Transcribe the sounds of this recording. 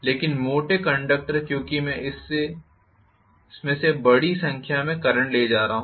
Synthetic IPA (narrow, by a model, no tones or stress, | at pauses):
leːkɪnmoːʈekɐ̃ɳɖək̚ʈəɾkjõːkimɛ̃ɪse | ɪsmẽsebɐɽisɐ̃ŋkʰjamẽkɐɾəɳʈleːd͡ʒaːɾaɦaɦ